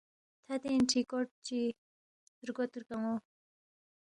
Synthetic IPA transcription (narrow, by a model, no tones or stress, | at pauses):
t̪ʰat̪enʈ͡ʂʰikort͡ɕi | rɡot̪urkaŋo